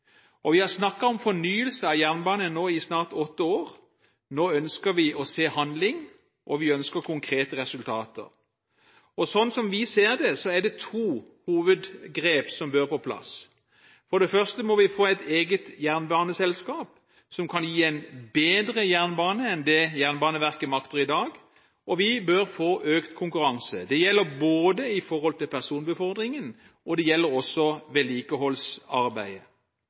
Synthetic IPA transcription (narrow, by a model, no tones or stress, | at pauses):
ʔɔʋɪhɑʁsnɑkːɑɔmfɔnyːəlsəɑjæʁnbɑːnənoːɪsnɑːʁt̪ɔt̪ːəoːʁ | noːœnskəɾʋɪɔseːhɑnd̪lɪŋ | ʔɔʋɪœnskəkʰʊŋkʰʁeːt̪əʁɛsʉlt̪ʰɑ̰ːt̪ʰə̰ʁ | ɔsɔnsɔmʋɪseːɾd̪ɛsɔɛɖ̪ɛt̪ʰuː | huːʋəd̪ɡʁeːpsɔmbøːɾpʰɔpʰlɑ̰s | fɔɖ̪ɛfœʁst̪əmɔʋɪfoːɛɪt̪ʰeːɡət̪jæʁnbɑːnəsɛlskɑːp | sɔmkʰɑnjiːæɪnbeːd̪ɾəjæʁnbɑːnəɛnd̪ɛjæʁnbɑːnəʋæʁkəmɑkt̪əɾɪd̪ɑːɡ | ʔɔʋɪbøɾfoːʔøːkt̪kʰʊŋkʉɾɑŋsə̰d̪ɛjɛlːəɾboːd̪əɪfɔɾhɔlt̪ɪlpʰæʁsuːnbəfɔʁd̪ʁɪŋən | ʔɔd̪ɛjɛlːəɾɔsɔʋɛːliːkəɦɔlsɑɾbæɪə